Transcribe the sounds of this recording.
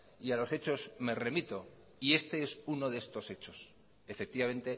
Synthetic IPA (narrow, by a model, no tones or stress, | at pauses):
ialo̞se̞t͡ʃo̞zme̞re̞mit̪o̞ | ie̞st̪e̞esuno̞ðest̪o̞se̞t͡ʃo̞s | efe̞k̚t̪iβament̪e̞